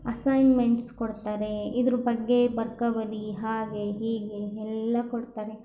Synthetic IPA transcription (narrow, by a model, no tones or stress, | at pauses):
ɐsɐjnmeɳʈskoɽt̪aːɾe̞id̪ɐɾubɐɡːe̞bɐɾkɐʋɐɾiɦaːɡe̞ɦiːɡe̞ɛlːɐkoɽt̪aːɾe̞